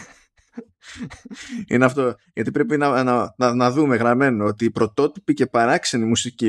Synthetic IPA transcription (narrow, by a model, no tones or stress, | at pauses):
ḭneɐft̪o̞ | ʝɐt̪ipɾe̞pinɐnɐnɐnɐðume̞ɣɾɐme̞noo̞t̪iːpɾo̞t̪o̞t̪i̥pice̞pɐɾɐksenimusici